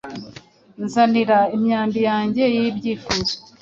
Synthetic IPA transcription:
nzaniɾaimɲaːmbijaːɲɟe̞jibɟiːfuzo

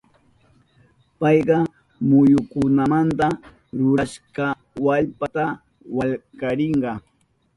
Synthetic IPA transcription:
pɑjɢɑ | mʊjʊkʊnamant̪a | ɾʊɾaʃkɑ | waʎpat̪a | waʎkaɾɪɴɢɑ

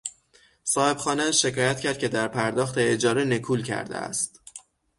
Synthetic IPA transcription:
sɒːhe̞bxɒːneæʃe̞kʰɒːjæt̪̚cʰæɾd̪̚cʰe̞d̪æɾpʰæɾd̪ɒːxt̪ʰeːd͡ʒɒːɾe̞ne̞kʰuːlcʰæ̰ɾd̪ḛæ̰st̪

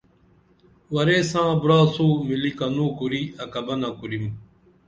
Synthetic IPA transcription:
wɐɾeːsãːbuɾaːsuːmilikɐnũːkuɾiɐkɐbɐnakuɾim

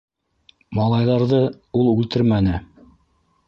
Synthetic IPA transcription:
mɑlˠɑjðɑɾðɤ | ulˠʉlt̪ɘɾmænɘ

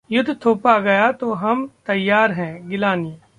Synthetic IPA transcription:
jʊd̪ʱːt̪ʰoːpaɡɐjat̪oɦɐmt̪ɐjːaːɾɦɛ̃ːɡɪlaːnije

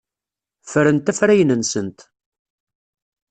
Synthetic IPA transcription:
fəɾənt̪æfɾæjənənsənt̪

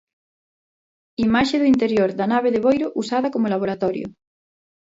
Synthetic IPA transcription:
imaʃeðuint̪eɾjoɾðanaβ̞eðeβojɾoʔusaðakomolaβ̞oɾat̪ɔɾjo̰

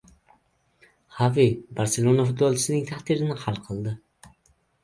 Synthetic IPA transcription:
havibaɾselˠonafʊt̪̚bɔlˠt͡ʃʰɪ̥sɪnɪŋt̪ʰaht̪iɾɪnɪhalˠqʰɨlˠd̪ɪ

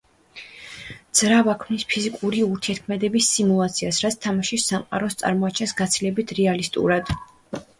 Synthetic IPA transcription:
d̪z̥ɾavakʰmnispʰizikʼuɾiuɾt̪ʰiɛɾt̪kʰmɛd̪ɛbisːimulˠat̪sʰiasɾat̪sʰt̪ʰamaʃisamqʼa̰ɾɔst̪sʼa̰ɾmɔat͡ʃʰɛnsɡat̪sʰilɛbit̪ʰɾɛalist̪ʼṵɾad̪̥

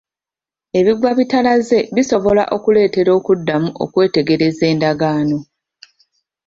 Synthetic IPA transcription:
e̞βiɡwaβitalaze̞βiso̞βo̞la̰ʔo̞kule̞ːte̞ɾo̞ːkudːamuʔo̞̰kwe̞ːte̞ɡe̞ɾe̞ze̞ːndaɡaːno̞

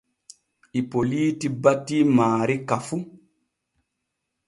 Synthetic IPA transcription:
ʔipoliːtibatːimaːɾikafu

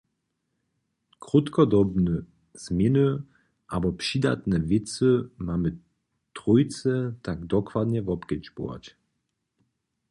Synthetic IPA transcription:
kʁut̪kɔd̪ɔbnə | z̥menə | ʔabɔpʂid̪a̰t̪nɛvɪt͡səmamə | t̪ʁujt͡sɛt̪akd̪ɔkvad̪ɲɛvɔpkɛt͡ʃbo̰a̰t͡ɕ

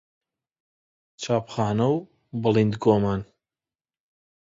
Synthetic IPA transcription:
t͡ʃʰaːpχaːnɐw | bɨlind̪ɡoːmaːn

